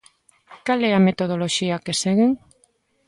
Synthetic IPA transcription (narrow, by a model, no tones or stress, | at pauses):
kalɛamet̪oðoloʃiakeseɣeŋ